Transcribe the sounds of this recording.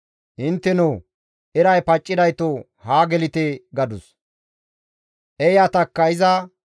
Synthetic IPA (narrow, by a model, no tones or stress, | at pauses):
ʔɪnt̪ːɛnow | ʔɪɾɐjpɐt͡ʃʼːɪd̪ɐjt̪o | haːɡɛlɪt̪ɛɡɐd̪ʊs | ʔɛjat̪ɐkːɐɪzɐ